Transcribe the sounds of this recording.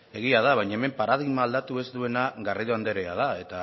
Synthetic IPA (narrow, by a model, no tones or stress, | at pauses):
e̞ɣ̞iað̞aβajɲaeme̞mpaɾað̞iɣmaːld̪at̪ue̞zd̪ue̞naɣariðoand̪e̞ɾeað̞ae̞t̪a